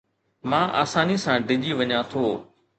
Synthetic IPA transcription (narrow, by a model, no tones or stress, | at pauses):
mãːʔa̰ːsaːnisãːɖɪʄiʋɐɲãt̪ʰoː